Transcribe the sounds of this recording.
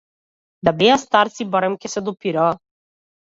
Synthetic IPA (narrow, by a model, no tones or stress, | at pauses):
d̪abɛast̪aɾt̪sibɔɾɛmkʲɛsɛd̪ɔpiɾaː